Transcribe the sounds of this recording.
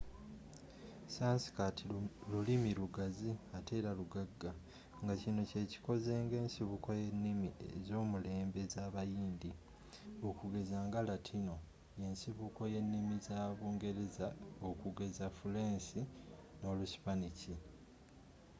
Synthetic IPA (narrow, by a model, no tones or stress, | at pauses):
saːnsi̥katʰilulimiɾuɡaziatʰe̞ːɾaluɡaɡːa | ŋɡacino̞ce̞ːci̥ko̞zeːŋɡe̞ːnsiβuko̞je̞nːimiezo̞ːmule̞ːmbe̞zaːβajiːnd̪i | okuɡe̞zaːŋɡalatʰino̞ | je̞nsiβuko̞je̞nːimizaːβuːŋɡe̞ɾe̞zaokuɡe̞zafule̞ːnsino̞ːlusi̥panici